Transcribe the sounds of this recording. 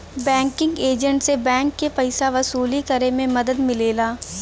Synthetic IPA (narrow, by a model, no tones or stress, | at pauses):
bɛ̃ːŋkɪ̃ŋɡeːd͡ʒə̃ɳʈsebɛ̃ːŋkːepɐɪsaʋɐsuːlikɐɾemẽmɐd̪əd̪mɪleːlaː